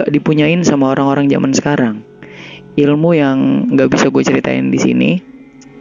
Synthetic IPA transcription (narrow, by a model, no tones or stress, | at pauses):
aʔdipuɲaɪnsamaoɾaŋoɾaŋd͡ʒa̰mʔansə̥kaɾaŋ | ilmujaŋŋɡaʔbisaɡuat͡ʃəɾit̪a̰ɪ̰ndisḭnḭ